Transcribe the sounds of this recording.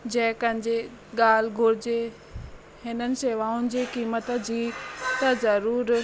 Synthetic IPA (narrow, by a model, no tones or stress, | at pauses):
d͡ʑɛ̃ːkɐ̃ɦɪ̃ɲd͡ʑe | ɠaːl̤ɡʱʊɾɪd͡ʑe | hɪnənɪ̆seʋaːʊnɪ̆d͡ʑeːkiːmət̪ə̆d͡ʑiːt̪ɐzɐɾuːɾ